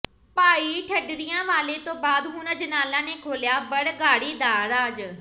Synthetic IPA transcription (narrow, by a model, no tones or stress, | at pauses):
paːiːʈʰəɖɾɪjãːʋaːleːt̪õːbaːd̪ɦʊnãd͡ʒənaːlãːneːkʰoːljaːbəɽɡaːɽiːd̪aːɾaːd͡ʒ